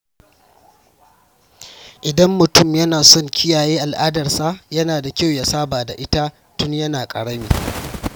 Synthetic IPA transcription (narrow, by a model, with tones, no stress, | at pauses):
ʔɪ˨dɐ˦mːʊ˨tʊ˦˨mjɐ˦naː˨sɔ˦˨ŋkʲʰɪ˦jaː˨jeː˦ʔa˨lʔaː˦dɐ˨rsa˦jɐ˦naː˨da˨kʲa˦˨wja˨saː˦baː˨da̰˨ʔɪ˦ta˦ | tʊ˦ɲjɐ˦naː˨kʼɐ̰˨ɽɐ˦miː˨